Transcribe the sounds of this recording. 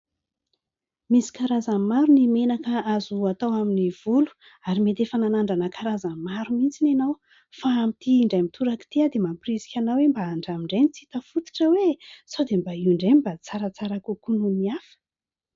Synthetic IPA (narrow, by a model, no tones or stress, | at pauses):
misi̥kaɾazamaɾunimenakəazuat̪awaminiv̥ulu̥ | aɾimet̪efananaɳɖ͡ʐanəkaɾazamaɾumint͡sinanaw | faːmit̪iːɳɖ͡ʐajmit̪ʰuɾaki̥t̪iad̪emaprizi̥kʲanawembaaɳɖ͡ʐamiɳɖ͡ʐejnit͡sit̪afut̪i̥ʈ͡ʂəwesawd̪embaiɳɖ͡ʐenibat͡saɾat͡saɾakukununiafə̥